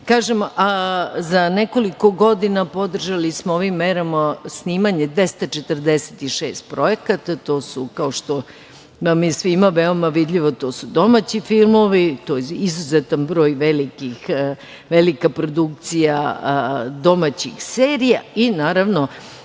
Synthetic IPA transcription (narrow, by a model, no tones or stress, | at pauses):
kaːʒemʔazaneko̞liko̞ɡo̞d̪inapo̞d̪r̩ʒalismooʋimːeɾamasniːmaɲe̞d̪ʋe̞st̪at͡ʃet̪r̩d̪ese̥t̪iʃeːst̪̚pɾo̞ekat̪at̪o̞ːsukaoʃt̪o | mamjesʋimaʋeo̞maʋid̪ʎʲiʋo̞t̪o̞ːsud̪o̞mat͡ɕifilˠmo̞ʋit̪ojizuzet̪anbɾo̞ːjʋelikix | ʋelikapɾo̞d̪uk̚t̪sija | d̪o̞mat͡ɕixseːɾijainaːɾaʋno̞